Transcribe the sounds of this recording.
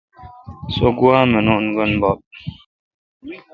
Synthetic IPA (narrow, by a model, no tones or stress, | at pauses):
soɡuamənuʔnɡənbɔp̚